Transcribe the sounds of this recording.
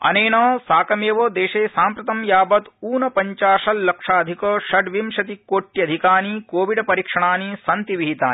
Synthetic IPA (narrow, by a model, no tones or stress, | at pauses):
ɐ̰neːnɐːsaːkɐmjeʋoːd̪eːʃeːsaːmpɾɐt̪ɐmjaːbɐt̪uːnɐpɐɲt͡ʃaːʂɐllɐkʂaːɐd̪ʱikoːʃɐɖʋimʃɐt̪ikoːʈːiɐd̪ʱikaːnikoːʋiɖpɐɾikʂɐɳaːnisɐnt̪iʋiɦit̪aːni